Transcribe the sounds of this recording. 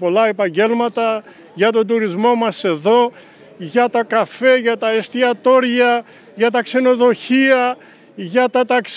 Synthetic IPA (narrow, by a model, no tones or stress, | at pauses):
po̞lɐe̞pɐɲɟe̞lmɐt̪ɐ | ʝɐt̪o̞nd̪uɾizmo̞mɐse̞ðo̞ | ʝɐt̪ɐkɐfe̞ʝɐt̪ɐest̪iɐt̪o̞ɾʝɐ | ʝɐt̪ɐkse̞no̞ðo̞çiɐ | ʝɐt̪ɐt̪ɐks